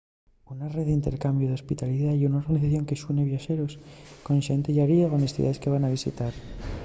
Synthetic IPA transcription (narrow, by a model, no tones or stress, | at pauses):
unareððeint̪e̞ɾkambjoðeospit̪aliðajunao̞ɾɣaniθaθjo̞ŋke̞sune̞βjaxe̞ɾo̞sko̞nʃent̪eʝaɾieɣonest̪ḭa̰ðe̞ske̞β̞anaβ̞isḭt̪aɾ